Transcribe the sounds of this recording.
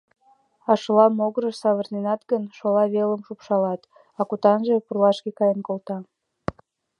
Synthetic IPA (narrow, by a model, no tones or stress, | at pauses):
ɑʃəlɑmoɣəɾəʃsɑβərnenɑt̪ɡənʃolɑβeləmʃupʃɑlɑt̪ | ɑkut̪ɑnʒe̽purlɑʃkekɑjənkolt̪ɑ